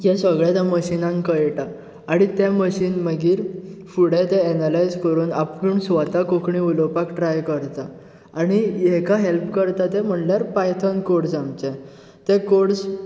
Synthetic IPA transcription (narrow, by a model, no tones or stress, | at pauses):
jãsəɡɭat̪aməɕinãŋkəjʈaː | ɽ̃it̪jaməɕiːnməɡiːɾfuɽẽt̪ẽːnalajd͡zkəɾuːnapuːɳsʋat̪akokʰɳiulopakʈɾajkəɾt̪a | aɽ̃ijɛkaɦelpkəɾt̪at̪ɛ̃m̤əɳljaɾpajt̪ʰənkoɽsamt͡ɕɛ̃ | t̪ɛ̃koɽs